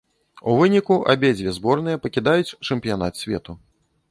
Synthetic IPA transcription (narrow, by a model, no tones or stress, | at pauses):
uvɨnʲikuʔabʲɛd͡zʲvʲɛzbɔrnɨjɐpɐkʲid̪ajut͡sʲt͡ʂɛmpʲijan̪at̪sʲvʲɛt̪u